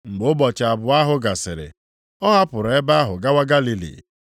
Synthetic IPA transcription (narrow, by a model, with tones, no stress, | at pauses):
ŋ͡m̩˨ɡ͡bʊ˨˦ʊ˦bɔ˨t͡ʃa˨bʊ˨a˦ɦʊ˦ɡa˨sɪ˨ɾɪ̰˨ | ɔ˦ɦa˦pʊ˨ɾe˦ba˦ɦʊ˨ɡa˦wa˦ɡa˦li˦lḭ˨